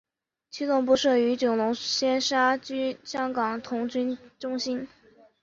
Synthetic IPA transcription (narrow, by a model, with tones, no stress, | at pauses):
t͡ɕʰy˥lʊ˥˧ŋp̬u˥˧ʂɤ˥˩y˧˥t͡ɕʊ˨˩ŋlʊ˧˥ŋɕjɛ˥nʂa˥t͡ɕy˥ɕjɑ˥ŋkɑ˨˩ŋt̪ʰʊ˧˥ŋt͡ɕy˥nʈ͡ʂʊ˥ŋɕi˥n